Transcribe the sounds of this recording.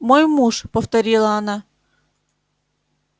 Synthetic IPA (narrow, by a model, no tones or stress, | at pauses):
mojmuʂpəft̪ɐɾʲilˠəɐna